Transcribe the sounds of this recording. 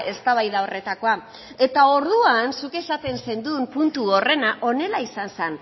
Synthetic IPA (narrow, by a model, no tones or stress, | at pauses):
ʔe̞st̪aβ̞ajðaore̞t̪ako̞a | e̞t̪ao̞ɾðuansuke̞sat̪e̞nse̞nd̪umpunt̪uo̞re̞naʔo̞ne̞laisansan